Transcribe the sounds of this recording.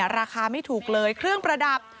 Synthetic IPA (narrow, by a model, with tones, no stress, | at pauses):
ɾaː˧xaː˧ma˥˩jt̪ʰuː˨˩k̚lɤː˧jkʰɾɯ˥˩əŋpɾa˧da˨˩p̚